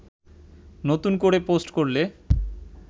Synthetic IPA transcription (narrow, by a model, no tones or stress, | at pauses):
not̪unkoɾeposʈkoɾle